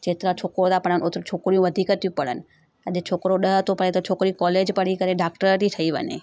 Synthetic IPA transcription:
t͡ʃet̪ɾat͡ʃʰokɾod̪apəɽənot̪ɾt͡ʃʰokɾijũʋəd̪ʱikət̪jũpəɽə̰n | əd͡ʒet͡ʃʰokɾoɗəɦət̪opəɽẽt̪ot͡ʃʰokɾĩkɔled͡ʒpəɽikəɾeɖakʈəɾt̪it̪ʰəiʋə̰nḛ

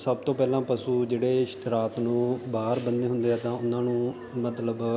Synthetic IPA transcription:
səb̚t̪õːpɛːlãːpəsuːd͡ʒeːɽeːɪʃɾaːt̪nũːbaːɾbənd̪eːɦʊ̃nd̪eːɛːt̪ãːʊnːãːnũː | mət̪ləb

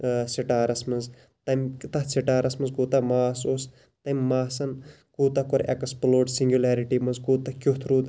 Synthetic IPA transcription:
siʈaːɾɐsmɐz | t̪ɐmt̪ɐhsiʈaːɾɐsmɐnzkuːt̪ɐmaːsoːs | t̪ɐmʲːaːsɐn | kuːt̪ɐkoɾḛkɐsploːɖsiŋɡʲjulaːɾiʈimɐzkuːt̪ɐkʲut̪ʰɾuːd̪

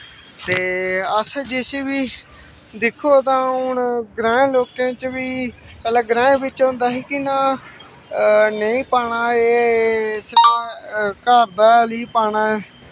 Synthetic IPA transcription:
t̪eːəsd͡ʒɪseːʋiː | d̪ɪkʰːoːt̪ãːʊnɡɾãːẽːloːkẽːt͡ʃʋiː | kəlaːɡɾãːẽːbɪt͡ʃɦõːnd̪aːɦiːkɪnaː | nəĩːpaːɽaːeːsɾãːkaːɾd̪aːliːpaːɽ̃aːɛː

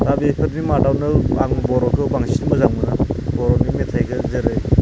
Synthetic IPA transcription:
dabepʰɯɾnimadawnɯaŋbɔɾɔkʰɯbaŋsinmɯzaŋɯnabɔɾɔnimetʰajɡɯzɯɾɯj

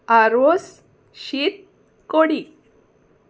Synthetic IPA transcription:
aɾos | ɕit̪̚ | koɽi

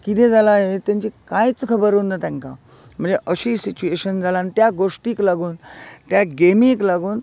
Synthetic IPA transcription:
kit̪ẽd͡zalaɦet̪jãɲt͡ɕikajt͡skʰəbəɾunːat̪ãŋka̰ | m̤əɳd͡zeʔəɕiːsit͡ɕueɕənd͡zʱalant̪jaɡoʂʈiːklaɡuːnt̪jaɡemĩklaɡuːn

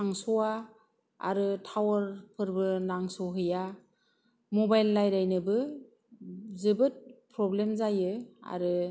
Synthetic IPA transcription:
aŋsɔa | a̰ɾɯtʰawəɾpʰɯɾbɯnaŋsɔɦɯja | mɔbajlːajɾajnɯbɯ | zɯbɯt̚pʰɾɔblemzajɯa̰ɾɯ

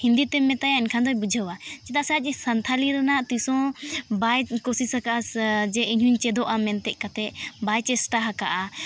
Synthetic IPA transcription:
hind̪it̪ɛmːɛt̪ajãɛnkʰand̪ɔjbud͡ʒʱəwat͡ʃit̪asat͡ʃsɐnt̪ʰaliɾənaʔt̪isɔ̃bajkosisakaʔasd͡ʒɛiɲɦuɲt͡ʃɛd̪ɔʔamɛnt̪ɛʔkat̪ʰɛʔbajt͡ʃɛsʈaɦaka̰ʔa

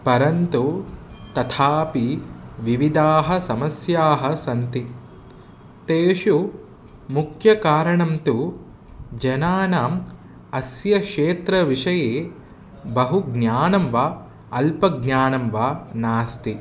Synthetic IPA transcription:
pɐɾɐnt̪u | t̪ɐt̪ʰaːpiʋiʋid̪aːɦɐ̆sɐmɐsjaːɦɐ̆sɐnt̪i | t̪eːʃu | mukʰjɐkaːɾɐɳɐmt̪u | d͡ʒɐnaːnaːm | ɐsjɐʂeːt̪ɾɐʋiʂɐjeː | bɐɦuɡnʲaːnɐmʋaː | ɐlpɐɡnaːnɐmʋaːnaːst̪i

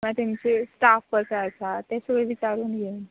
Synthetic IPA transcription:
mat̪amt͡sesʈafpəɾsəat͡sat̪jasəɡɭeʋit͡ɕaɾuːnjen

